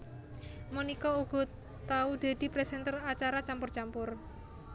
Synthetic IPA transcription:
mənikɔuɡ̥ɔ̤ | t̪aud̪̥e̤d̪̥i̤pɾɛsɛnt̪ərat͡ʃaɾat͡ʃampʊrt͡ʃampʊr

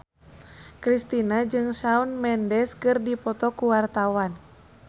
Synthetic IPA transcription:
kɾist̪inad͡ʒɨŋsaunmɛndɛskɨrdipɔt̪ɔkuwart̪awan

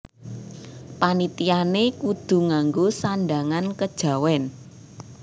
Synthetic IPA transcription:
panit̪ianekud̪̥ṳŋaŋɡosanɖaŋankəd̥ʒ̥a̤wɛn

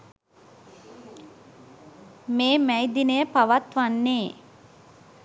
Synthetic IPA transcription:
meːmæjd̪inəjəpaʋat̪ʋanːeː

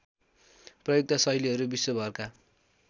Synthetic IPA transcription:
prʌjoɡ̚t̪asʌjliɦʌɾubisobʱʌrka

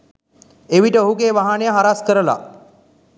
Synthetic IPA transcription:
eʋiʈəoɦuɡeːʋaɦanejəɦaɾaskəɾəla̰

